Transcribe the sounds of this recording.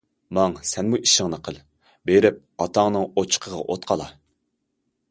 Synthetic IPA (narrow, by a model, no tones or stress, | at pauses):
mɑŋsɛnmuʔiʃɪŋnɨqʰəlˠ | beɾɪp̚ɑt̪ʰɑŋnɨŋot͡ʃʰə̥qʰəʁɑ̰ʔot̪̚qʰɑlˠɑ̰